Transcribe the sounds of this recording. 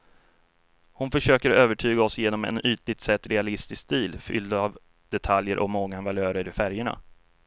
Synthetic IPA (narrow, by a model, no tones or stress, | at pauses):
hʊnfœʂøːkəɾøːvəʈʰyːɡaɔsjeːnɔmɛ̰nyːt̪lɪt̪sɛt̪ːɾɛalɪst̪ɪskst̪iːlfʏ̰ld̪av | d̪̥ɛt̪ʰaljəɾʔɔ̰mɔŋɡːanvaløːɾəɾɪfæɾjəɳa̰